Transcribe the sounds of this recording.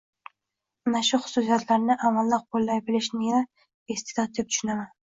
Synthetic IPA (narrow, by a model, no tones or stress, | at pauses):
anaʃʊχʊ̥sʊsijat̪ʰlaɾnɪʔamalːɪq̚bʰolːajbɪlɪʃnɪa | est̪e̥d̪ɒt̪̚d̪ep̚t̪ʰʃʊnaman